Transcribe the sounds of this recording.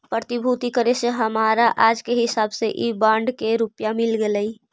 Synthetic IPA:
pɾət̪ibʱut̪ikəɾeseɦəmaːɾaʔaːd͡ʒkeɦɪsaːbseʔibãːɳɖkeɾupjamɪlɡeləi

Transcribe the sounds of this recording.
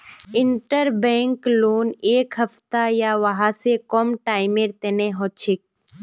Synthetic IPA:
ɪɳʈəɾbẽːŋkloːneːkɦɐft̪ajaʋɐɦãsekɔmʈaːɪmeɾt̪eneɦot͡ʃʰɪk̚

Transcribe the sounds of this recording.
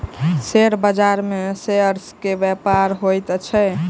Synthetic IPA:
seɾbəd͡ʒaɾmeseəɾskebɛpaɾɦojt̪t͡ʃʰɛ

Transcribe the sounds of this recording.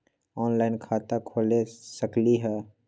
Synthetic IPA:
ɔːnlaːɪnkʰaːt̪akʰoːlesəkliɦɛː

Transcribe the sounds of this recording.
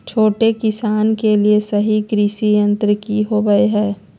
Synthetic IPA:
t͡ʃʰoːʈekɪsaːnkeliesɐɦikɾisijə̃nt̪ɾəkiɦoɡəeɦɛː

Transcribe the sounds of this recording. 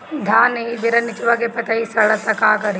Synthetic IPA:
d̪ʱaːneːʋiɾɐnːit͡ʃuʋaɡepɐʈɐisɐɭɐt̪ɐkaːkɐɾi

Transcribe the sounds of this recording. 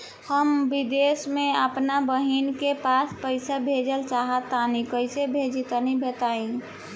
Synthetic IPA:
həmbid̪esmẽəpnabəɦinkepaspəɪsabʱed͡ʒəlt͡ʃaɦət̪anikəɪsebʱed͡ʒit̪ənibʱet̪aĩ

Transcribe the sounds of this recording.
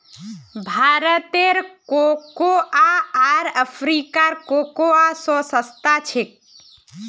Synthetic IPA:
bʱaɾət̪eɾkokoaaɾəpʰɾikaɾkokoasɔ̃səst̪at͡ʃʰek̚

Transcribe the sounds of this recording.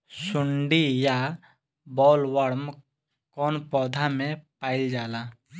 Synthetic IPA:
sʊɳɖija | bɔːlwəɽm | kɔːnpɔːd̪ʱamẽpaːɪld͡ʒaːlaː

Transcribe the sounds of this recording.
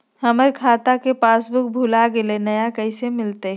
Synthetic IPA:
hɐməɾkʰaːt̪akepaːsbʊk̚bʱʊlaɡɪlenɐjakɐɪsemɪlt̪eɦ

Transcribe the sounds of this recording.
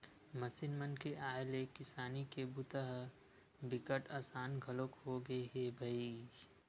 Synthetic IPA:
mɐsɪnmənkeʔaːelekɪsaːnikebʊt̪əɦ | bɪkəʈaːsaːnɡʱəlokɦoɡɐeɦebʱɐi

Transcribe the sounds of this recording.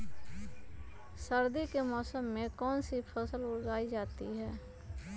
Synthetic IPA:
səɾd̪ikemɔːsəmːẽkɔːnsipʰəsəlʊɾɡaːid͡ʒaːt̪iɦɛː

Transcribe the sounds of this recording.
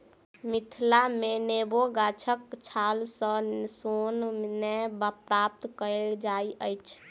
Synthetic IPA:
mit̪ʰlameneboɡat͡ʃʰəkt͡ʃʰalsə̃sonnɛbapɾap̚t̪kəld͡ʒaiʔəjt͡ʃʰ

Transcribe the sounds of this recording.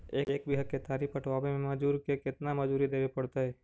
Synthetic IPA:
eːeːkbʱiɦəket̪aːɾipəʈʰʋaːbemẽmɐd͡ʒuːɾkekɪt̪namɐd͡ʒuːɾid̪eːbepɐɽt̪aɦɛː

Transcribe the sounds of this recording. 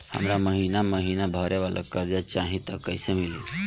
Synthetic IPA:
hə̰mɾaməɦinaməɦinabʱəɾʔeʋalʔə̰kəɾd͡ʒat͡ʃaɦĩt̪əkːəɪsemili

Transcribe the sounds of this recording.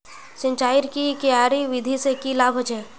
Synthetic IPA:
sɪ̃nt͡ʃaːɪɾkikeaːɾiʋɪd̪ʱisekilaːbʱət͡ʃɛː

